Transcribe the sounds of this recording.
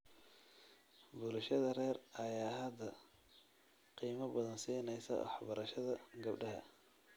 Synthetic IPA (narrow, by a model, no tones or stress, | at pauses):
bʊlʃɐðɐrɛːrʔɐjaːɦɐd̪ɐ | qiːmɐbɐðɐnsiːnɛjsɐ̰wɑ̰ħbɐɾɐʃɐðɐɡɐbɖɐɦɐ̰